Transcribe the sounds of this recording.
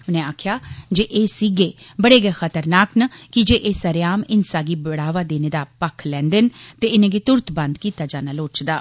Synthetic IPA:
ʊnɛ̃ːaːkʰjaːd͡ʒeːʔeːsiːɡeːbəɽeːɡɛːxət̪əɾnaːknəkɪd͡ʒeːʔeːsəɾjaːmɪnsaːɡiːbəɽaːʋaːd̪eːneːd̪aːpəkʰlɛ̃ːnd̪ənt̪eːɪnẽːɡiːt̪ʊɾt̪bənd̪kiːt̪aːd͡ʒaːnaːloːt͡ʃd̪aː

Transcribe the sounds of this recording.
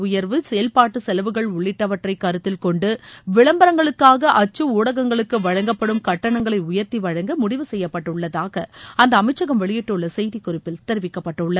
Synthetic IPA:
ʊjɐɾʋɯsɛjɐlpaːʈːɯsɛlɐʋɯɣɐɭʊɭːɪʈːɐʋɐʈrɐɪkːɐɾɯt̪ːɪlkɔɳɖɯʋɪɭɐmbɐɾɐŋɡɐɭɯkːaːɣɐʔɐt͡ʃːɯuːɽɐɣɐŋɡɐɭɯkːɯʋɐɻɐŋɡɐpːɐɽɯmkɐʈːɐɳɐŋɡɐɭɐɪʊjɐɾt̪iʋɐɻɐŋɡɯmʊɽɪʋɯsɛjːɐpːɐʈːɯɭːɐðaːɣɐɐnd̪ɐːmɐɪt͡ʃːɐɣɐmʋɛɭɪjɪʈːɯɭːɐsɛjðikːʊrɪpːɪlt̪ɛɾɯʋɪkːɐpːɐʈːɐʊɭːɐð

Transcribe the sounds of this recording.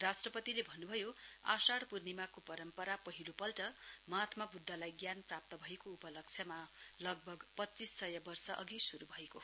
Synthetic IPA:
rasʈrʌpʌt̪ilebʱʌnːubʱʌjoa̰saɽpurnimakopʌɾʌmpʌɾapʌɦilopʌlʈʌmʌɦat̪mʌk̚bud̪ʱːalajɡjanprap̚t̪ʌbʱʌekoːpʌlʌk̚t͡sʰjʌmalʌɡ̚bʱʌɡpʌtːt͡sisːʌjʌbʌrsʌʔʌ̰ɡisuɾubʱʌeko

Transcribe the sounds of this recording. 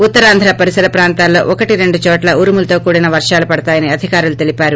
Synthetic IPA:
ut̪ːɐɾaːnd̪ʱɾapɐɾisɐɾɐpɾaːnt̪aːlːo̞̰ːʔɔkɐʈiɾe̞ɳɖut͡ʃɔːʈlɐuːɾimulɐt̪o̞ːkuːɽinɐʋɐɾʂaːlupɐɽɐt̪aːjɐniɐd̪ʱikaːɾulut̪e̞lipaːɾu

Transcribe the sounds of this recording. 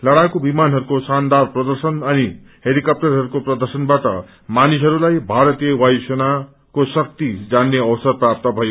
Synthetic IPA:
lʌɽajkobimanɦʌɾukosand̪arprʌd̪ʌrsʌnʌni | heɾikʌp̚ʈʌrɦʌɾukoprʌd̪ʌrsʌnbaʈʌ̰ | manisɦʌɾulajbʱaɾʌt̪ijʌwajsʌna | kosʌk̚t̪id͡zanːeʌwsʌrprap̚t̪ʌbʱʌjo

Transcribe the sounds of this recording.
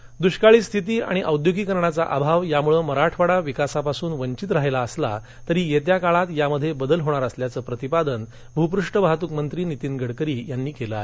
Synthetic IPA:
d̪uɕkaɭiːst̪ʰit̪̬iːa̰ɽ̃iʔəwd̪joɡiːkəɾɳat͡saʔabʱaʋjamuɭəməɾaʈʰʋaɽaʋikasapasuːnʋəɲt͡ɕit̪ɾaɦelaəsla̰ | t̪əɾiːjet̪jakaɭat̪jaməd̪ʱːjebəd̪əlɦoɽ̃aɾəsljat͡səːpɾət̪ipad̪ən | bʱupɾuʂʈəbaɦat̪ukmənt̪ɾiːnit̪iːnɡʱəɽkəɾiːjanːiːkelae

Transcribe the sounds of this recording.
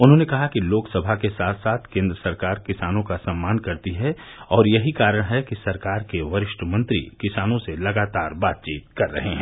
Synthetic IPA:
ʊnɦõnekɐɦakiloːksɐbʱakesaːt̪ʰsaːt̪ʰkẽːnd̪ɾəsɐɾkaːɾkɪsaːnõkasɐ̃mːaːnkɐɾt̪iɦɛ | ɔːɾjɐɦikaːɾəɽ̃ɦɛkisɐɾkaːɾkeʋɐɾɪʃʈəmɐ̃nt̪ɾḭkɪsaːnõselɐɡaːt̪aːɾbaːt̪̚t͡ʃiːt̪kɐɾːɐ̰ɦeɦɛ̃

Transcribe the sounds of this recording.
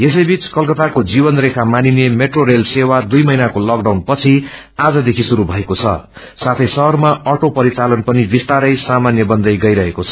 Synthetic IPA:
es̬ʌjbit͡skʌlkʌt̪akod͡zibʌnrekʰamaninemeʈroɾelsewad̪ujmʌjnakolʌkɖawnpʌt͡sʰi | ad͡zʌd̪ekʰisuɾubʱʌekot͡sʰʌ̰ | sat̪ʰʌjsʌɦʌrmaʌʈopʌɾit͡salʌnpʌnibist̪aɾʌjsamanjʌbʌnd̪ʌjɡʌjɾʌɦekot͡sʰʌ̥

